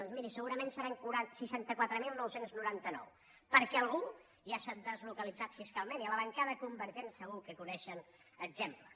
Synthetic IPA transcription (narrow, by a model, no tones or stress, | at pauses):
nzmiɾisəɣuɾəmẽnsəɾaŋkuɾasiʃant̪əkwat̪ɾəmilˠnɔwsenznuɾant̪ənɔ̰w | pəɾkɛəlˠɣu | ʒasat̪d̪əzlukəlid͡zat̪fiskalˠmeniələβəŋkaðəkumbəɾʒensəɣ̞ukəkunɛʃən | əɡzemplə